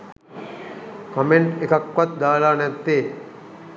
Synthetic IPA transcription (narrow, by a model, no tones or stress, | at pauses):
kɐmeɳʈekɐkːʋɐt̪̚d̪aːlaːnɛt̪ːeː